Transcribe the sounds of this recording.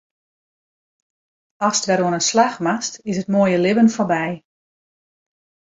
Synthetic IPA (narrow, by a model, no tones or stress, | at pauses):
ɑstʋɛɾwɔənənslaxmastɪsətmoəjəlɪbənforbɛj